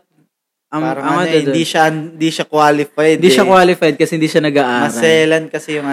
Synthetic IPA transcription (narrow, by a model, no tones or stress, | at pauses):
ʔɐmɐmaɛd̪d̪iʃɐɪnd̪iʃakwaːlɪfajd̪nd̪iʃɐkwaːlɪfajd̪̚kɐsɛhɪnd̪iːʃɐnɐɡaːʔaːmɐsɾɐɛːlɐn̚kɐsɛjʊŋʔɐ